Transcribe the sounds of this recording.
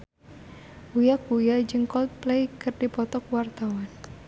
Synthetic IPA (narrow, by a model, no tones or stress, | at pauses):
ujakujad͡ʒəŋkɔlt̪̚plejkɨrdipɔt̪ɔk̚wart̪awan